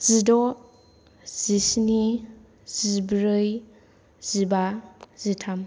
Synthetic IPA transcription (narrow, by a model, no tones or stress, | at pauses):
z̥idɔ | z̥isni | z̥ibɾɯj | z̥ibazitʰam